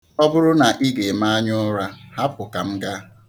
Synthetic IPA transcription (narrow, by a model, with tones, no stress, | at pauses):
ɔ˦bʊ˦ɾʊ˦na˨ʔi˦ɡe˨ma˦a˦ɲʊ˦ɾa˦ha˦p̚ʊ˨ka˨m̩˦ɡa˦